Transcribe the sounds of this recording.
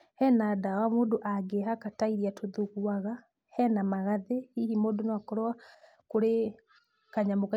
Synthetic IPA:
hɛnadawamoːdoʔaɡeɦakataiɾiatʰoðuɣuaɣa | hɛnamaɣaðehihimodonaakɔɾɔa | koɾe | kaɲamoka

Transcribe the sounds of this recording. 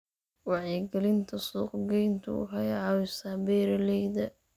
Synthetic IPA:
wɑʕjɛɡɐlɪnt̪ʰɐsuːqɡɛjnt̪ʰʊ̰ːɦɐjʕɑwɪsaːbɛːɾɐlɛjd̪ɐ

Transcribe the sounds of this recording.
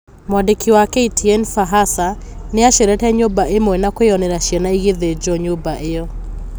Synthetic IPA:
mwadekʰiwakɛitʰiɛnfaɦasaneaʃeɾɛtɛɲobaʔemɔɛnakweɔnɛɾaʃianaiɣeðed͡ʒɔɲobaʔejɔ

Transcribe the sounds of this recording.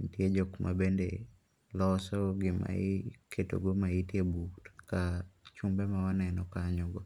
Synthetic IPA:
ntjed͡ʒokmʔa̰bendḛ | lɔsɔɡɪma̰ikʰeto̰ɡomaitjebutkat͡ʃumbɛmawanɛnɔkaɲɔɡɔ

